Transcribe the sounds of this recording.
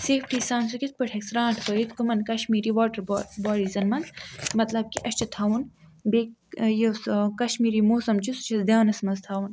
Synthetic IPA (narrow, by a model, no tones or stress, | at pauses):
seːfkʰiːsaːnsukʲit̪̚pɨʈʰeksɾãːʈʰkəit̪kumɐnkɐʃmiːɾiːʋɔːʈɐɾbbɔːɾiːzɐnmɐnzmɐt̪lɐb̚kiʔɐst͡ʃʰit̪ʰaːwun | bek | jeskɐʃmiːɾiːmoːsɐmt͡ʃisu̥t͡ʃʰɐsd̪ʲjaːnɐsmɐzt̪ʰaːwun